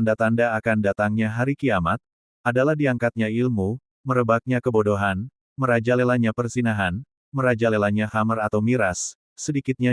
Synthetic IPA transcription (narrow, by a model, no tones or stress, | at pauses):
andat̪andaːkandat̪aŋɲaɦaɾikiamat̪̚ | adalahdiaŋkat̪̚ɲailmu | məɾəbak̚ɲakəbodoɦan | məɾad͡ʒalelaɲapərsinaɦan | məɾad͡ʒalelaɲahamərat̪awmiɾasː | ədikɪt̪̚ɲa